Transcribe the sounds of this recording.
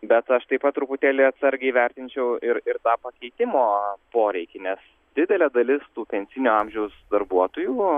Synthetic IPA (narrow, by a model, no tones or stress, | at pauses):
bʲɛt̪ɐʃt̪ɐɪpɐt̪̚t̪ːɾʊpʊt̪ʲæːlʲɛɪɐt̪sɐɾʲɡʲɛɪʋʲæɾʲt̪ʲɪnʲt͡ʃʲɛʊɪɾɪɾt̪ɑːpɐkʲɛɪt̪ʲɪmoːpoːɾʲɛɪkʲɪnʲɛs | d̪ʲɪd̪ʲɛlʲɛːd̪ɐlʲɪst̪uːpʲɛnʲsʲɪnʲuɑmʲʒʲɛʊsd̪ɐɾbuɔt̪oːjuː